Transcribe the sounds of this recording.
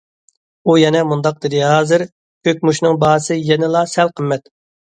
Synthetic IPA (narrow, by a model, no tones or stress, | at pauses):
ujɛnɛmund̪ɑq̚d̪ɨd̪ɨɦɑːzɨɾ | høkʲmuʃnɨŋbɑːsɨjɛnɪlˠɑsɛlqʰəmːɛt̪